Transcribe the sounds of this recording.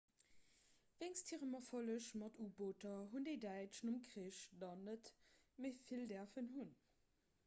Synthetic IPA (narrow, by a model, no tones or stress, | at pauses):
veɪŋstʰiːʁəmɐfoləʃmɑtuːboːtɐɦundeɪdæɪt͡ʃnumkʁiːʃdɑnətmeɪfildɛɐfənɦun